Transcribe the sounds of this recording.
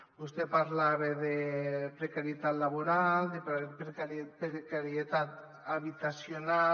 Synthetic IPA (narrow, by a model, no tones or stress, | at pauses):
bust̪epaɾlaβeðepɾekaɾjet̪at̪laβoɾald̪epkapekaɾjet̪at̪ | aβit̪asjona